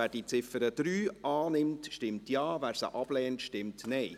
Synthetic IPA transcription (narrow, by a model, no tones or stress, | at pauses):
æːɾd̥iːt͡sɪfəɾəd̥ɾyːʔɑːnɪmtʃtɪmtjɑːvæːɾsə̰ʔɑb̥lɛːntʃtɪmtnɛɪ